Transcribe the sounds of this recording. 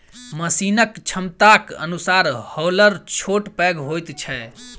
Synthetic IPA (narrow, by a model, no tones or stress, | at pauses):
məsinəkt͡ʃʰəmt̪akə̰nusaɾhɔləɾt͡ʃʰoʈpɛɡɦojt̪t͡ʃʰɛ